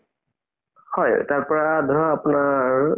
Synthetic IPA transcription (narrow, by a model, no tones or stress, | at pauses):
hɔjtaɹpɔɹad̪ʱɔɹaːpʊnaɹ